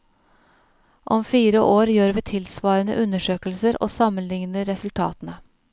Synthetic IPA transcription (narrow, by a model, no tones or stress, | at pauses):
ʔɔmfiːɾəʔoːɾjøːɾʋiːt̪ʰɪlsʋɑːɾənə̰ʔʉnəʂøːklsəɾʔo̰ːsɑmənlɪŋnəɾɾɛsʉlt̪ʰɑ̰ːt̪nə